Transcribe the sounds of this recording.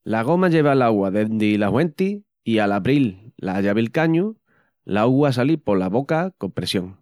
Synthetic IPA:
laɣ̞o̞maʎe̞β̞alaɣwaðend̪ilahwe̞nt̪i | ialaβɾilːaʝaβilkaɲu | laaɣwas̬alipo̞laβo̞kako̞mpɾesjo̞ŋ

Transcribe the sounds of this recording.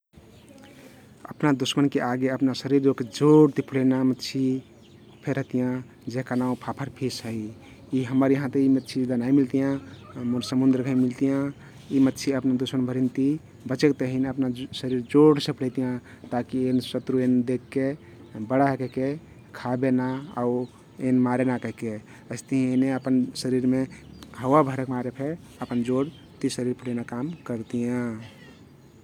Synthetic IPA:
əpnad̪usmənkeʔaɡeəpnasəɾiɾoked͡ʒoɽt̪ipʰuɽenamət̪ːt͡ʃʰi | pʰeɾəɦt̪ijã | d͡ʒeɦkanaũpʰapʰəɾpʰisɦəi | iɦəməɾjəɦãt̪eimət̪ːt͡ʃʰid̪anaimilt̪ijãmuɾsəmund̪ɾəɡʱəimilt̪ijã | imət̪ːt͡ʃʰiəpnad̪usmənbʱəɾint̪i | bət͡ʃekt̪əɦinəpnasəɾiɾd͡ʒoɽsepɽ̤ɛt̪ijã | t̪akiensət̪ɾuend̪ekːe | bəɽaɦekəɦke | kʰabenaa̰u | enmaɾenakəɦke | əɪst̪əɦĩeneəpənsəɾiɾmeɦəwabʱəɾəkmaɾepʰe | əpənd͡ʒoɽ | t̪isəɾiɾpəɽ̤ɛnakamkəɾt̪ijã

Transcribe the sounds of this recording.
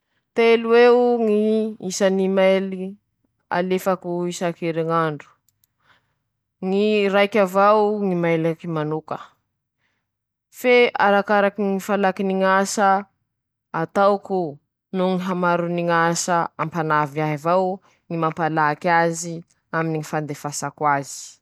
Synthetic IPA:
t̪eluweŋiisanimaeli | a̰lefakuisakeɾeŋaɳɖ͡ʐu̥ | ŋiɾajkʲavawŋimajlakimanukə | feaɾakaɾakiŋifalakiniŋasə | at̪awku | nuŋiɦamaɾuniŋasəampanavaɦavaw | ŋimampalakazi | aminiŋifand̪efasakwazi̥

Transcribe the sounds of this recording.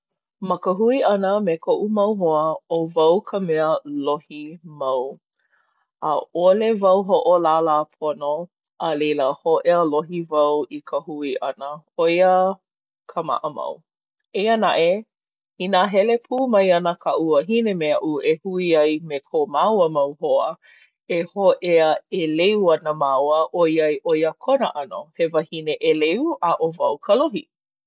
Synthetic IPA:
məkəɦuiʔɐnəmekʰoʔumɐwɦoəovɐwkʰəmɛəlohimɐw | ə̰ʔolevɐwɦoʔolalapʰono | ʔəlejləhoʔeəloɦivɐwikʰəhuiʔɐnəojə | kʰəma̰ʔəmɐ̰w | eənaʔe | inaɦɛlepʰuːmɐjɐnəkʰaʔuɐɦinemeaʔuehuiɐjmekʰomawəmɐwhoə | ehoʔeəeleuɐnəmawəʔoiɐjʔojəkʰonəʔɐno̰hevɐhineʔeleuʔaʔovɐwkʰəloɦi

